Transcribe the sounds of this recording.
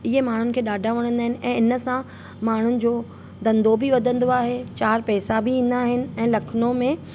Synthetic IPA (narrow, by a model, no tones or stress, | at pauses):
ɪɦemaːɳ̤ʊnɪ̆kʰeːɗaːɖʱaʋɐɽ̃ə̃nd̪aːɦɪnɪ̆ʔɛ̃ːɪnəsã | maːɳ̤ʊnɪ̆d͡ʑoː | d̪ɐ̃nd̪obʱiʋɐd̪ʱə̃nd̪oaːɦet͡ɕaːɾpɛːsabʱiĩːn̆d̪aːɦɪnɪ̆ɛ̃ːlɐkʰnomẽ